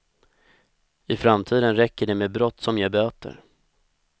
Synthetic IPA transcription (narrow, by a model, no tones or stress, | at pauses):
ɪfɾamt̪ʰiːd̪ənɾɛkːəɖɛmeːbɾɔt̪ːsɔmjabøːt̪ə̰ɾ